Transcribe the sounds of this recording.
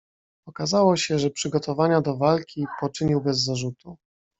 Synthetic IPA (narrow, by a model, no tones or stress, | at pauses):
ɔkazawɔɕɛʐɛpʂɘɡɔt̪ɔvaɲad̪ɔvalkʲipɔt͡ʂɘɲiwbɛzːaʐut̪ʰu